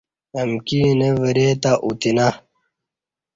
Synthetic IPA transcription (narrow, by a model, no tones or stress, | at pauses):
ɐmkineʋɐɾet̪aʔut̪ina